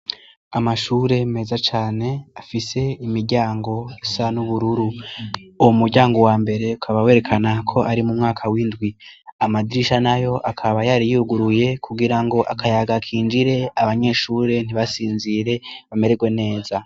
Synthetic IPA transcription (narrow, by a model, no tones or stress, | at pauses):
amaʃuːɾe̞me̞ːzat͡ʃaːne̞afise̞imiɾɟaːŋɡo̞sanuβuɾuɾu | uwomuɾɟaːŋɡo̞waːmbe̞ɾe̞ukʰaβawe̞ːɾe̞kʰanakʰo̞ʔaɾimumŋaːkʰawindɡwiamadiɾiʃanajo̞ʔakʰaβajaɾijuɡuɾuje̞kʰuɡiɾaŋɡo̞ʔakʰajaɡakʰiːnd͡ʒiɾe̞aβaɲe̞ːʃuːɾe̞n̥iβasiːnziɾe̞βame̞ɾe̞ɡwe̞ne̞ːza